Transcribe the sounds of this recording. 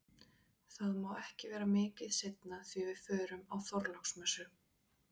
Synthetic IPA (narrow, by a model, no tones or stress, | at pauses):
θaðmaːwɛhcɪvɛːɾamɪːcɪðsejt̪naθvivɪð̥fœːɾʏmawθɔɾlawksmɛsʏ